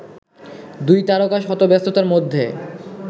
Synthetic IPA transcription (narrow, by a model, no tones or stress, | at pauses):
d̪ujt̪aɾokaʃɦɔt̪obɛst̪ot̪aɾmod̪ʱːe